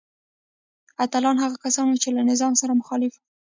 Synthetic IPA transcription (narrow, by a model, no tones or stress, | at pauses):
at̪alɑnhaɣakasɑnwut͡ʃelanɪzɑmsaɾamʊxɑlɪf | i